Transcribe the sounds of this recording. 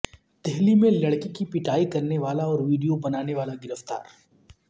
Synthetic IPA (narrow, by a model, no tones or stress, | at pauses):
d̪̥ɛɦlimẽlɐɽkikipɪʈaːikɐɾneʋaːlaɔːɾʋiːɖijobɐnaːneʋaːlaɡɪɾəft̪a̰ːɾ